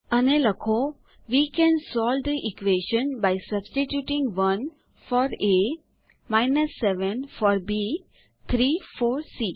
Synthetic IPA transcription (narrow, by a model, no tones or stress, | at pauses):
əneləkʰo | ʋikɛ̃nsɔːld̪əʔikʋeʃə̃nbaɪsəbsʈiʈjuːʈĩŋɡʋʌ̃n | fɔːɾe | maɪnəsːɛʋə̃nfɔːɾbi | t̪ʰɾiːfoːɾsiː